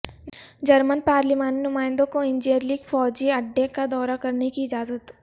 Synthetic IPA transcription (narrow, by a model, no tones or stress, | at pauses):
d͡ʒɐɾmənpaːɾlimaːninʊmaːɪ̃nd̪õkoɪ̃nd͡ʒeɾlikfɔːd͡ʒiɐɖːekad̪ɔːɾakɐɾnekiɪd͡ʒaːzət̪